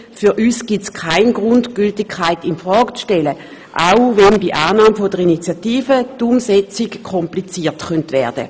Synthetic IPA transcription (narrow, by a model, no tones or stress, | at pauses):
fyʁʔyːsɡ̥itskʰaɪnɡʁʊndɡ̥yltɪkʰːaɪtinfʁɔːɡt͡sʃtɛlə | ʔaʊvɛnbiʔaːnaːmfodəʁinit͡sjatiːfətumsɛt͡sikkʰɔmplit͡siːɐtχœntvɛːɐd̥ə̰